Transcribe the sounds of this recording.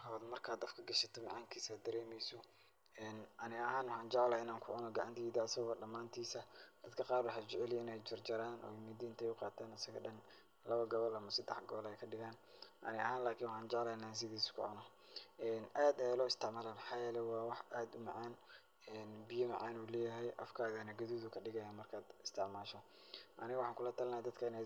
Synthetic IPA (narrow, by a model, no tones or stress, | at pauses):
hɔðmɐrkʰaːd̪ɐfkʰɐɡɐʃɐt̪ʰɔmɑʕaːŋkʰiːsaːd̪ɐɾɛːmɛjsɔ | ɛːnʔɐnɪɐhaːnwʊħɑːnt͡ʃɑʕlaɪnaːŋkʰʊʕʊnɔɡɑʕɑnt̪ʰiːðɐsɐɣɔːɖɐmːaːnt̪ʰiːsɐd̪̥ɐd̪kʰɐqɑːrwɑħaːt͡ʃɪʕɛlɪnɛjt͡ʃɐrd͡ʒɐɾaːnɔ̰ːjmɪd̪iːnt̪ʰɛjʊqɑːt̪ʰaːnɐsɐɣɐɖɐn | lɐβɐɡɐβɔlɐmɐsɐd̪ɛħɡɔːlɛjkʰɐɖɪɣaːnʔɐ̰nɪɐhaːnlaːkʰɪnwɑħɑːnt͡ʃɛʕlɛjnaːs̬ɪðiːskʊ̰ʕʊnɔ | ʔɛːnʔaːd̪ɛjlɔːɪst̪ʰɪʕmaːlaːmɑħɑːjɛːlɛjwɑːwɑħʔaːd̪ʊmɑʕaːn | ɛnbɪjɐmɐʕaːnuːlɛːjɐɦɛjʔɐ̰fkʰaːðɐnɐɡɐðuːðʊkʰɐɖɪɣɐjaːnmɐrkʰaːd̪ɪst̪ʰɪʕmaːʃɔ | ʔɐnɪɣwʊħɑːŋkʰʊlɐt̪ʰɐlnaːd̪ɐd̪kʰɐɪnɛ